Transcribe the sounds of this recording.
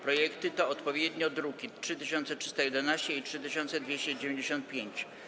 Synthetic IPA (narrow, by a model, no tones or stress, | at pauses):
pɾɔjɛkt̪ɘt̪ɔːt̪pɔvʲjed̪ɲɔd̪ɾukʲiʂɘt̪ɘɕɔnt̪sɛtʂɨ̥st̪ajɛd̪ɛnaɕt͡ɕɛitʂɘt̪ɘɕɔnt̪sɛd̪vʲjeɕt͡ɕɛd͡ʑevʲẽɲd͡ʑeɕɔ̃nt̪̚pʲjeɲt͡ɕ